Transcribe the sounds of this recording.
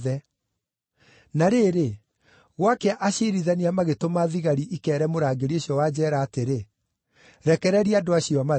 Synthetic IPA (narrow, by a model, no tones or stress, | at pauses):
ðɛ | naɾeːɾe | ɣwakɛaʔaɕeɾiðɛniamaɣetomaðiɣaɾiʔikɛːɾɛmoɾaːɡeɾioɕiɔwaːd͡ʑɛːɾaːteɾe | ɾɛkɛɾɛɾiadoaɕioama